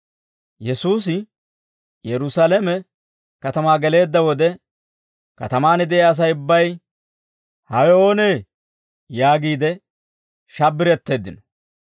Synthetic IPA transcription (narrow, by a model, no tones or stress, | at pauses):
jɛsuːs̬ɪ | jɛɾʊsaːlɛmɛ | kɐt̪ɐmaːɡɛle̞ːd̪ːɐwɔd̪ɛ | kɐt̪ɐmaːnɪd̪ɛjaːs̬ɐjʊbːɐj | hɐjoːneː | jaːɡiːd̪ɛ | ʃɐbːɪɾɛt̪ːe̞ːd̪ːɪnɔ̥